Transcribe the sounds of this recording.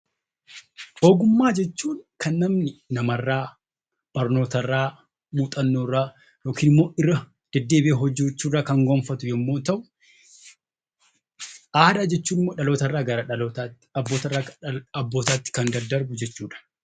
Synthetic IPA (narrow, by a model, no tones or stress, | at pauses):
hoːɡʊmːaːd͡ʒɛt͡ʃːuːnkɐnːɐmnɪnɐmɐrːaː | b̥ɐɾno̞ːt̪ɐrːaː | muːt̪ʼɐnːoːrːaː | jo̞ːkiːnɪmːo̞ːʔɪrːɐ | d̪̥ɛd̪ːe̞ːbɪeːɦɔd͡ʒːuːt͡ʃːuːraːkɐŋɡoːnfɐt̪ʊjɐmːo̞ːt̪ɐʔʊ | ʔaːd̪aːd͡ʒɛt͡ʃːuːnɪmːo̞ːᶑɐlo̞ːt̪ɐrːaːɡɐɾɐɐt̪ː | boːt̪ɐrːaːɐbːo̞ːt̪aːt̪ːɪ̥kɐnd̪ɐɾd̪ɐɾbʊd͡ʒɛt͡ʃːuːᶑɐ̥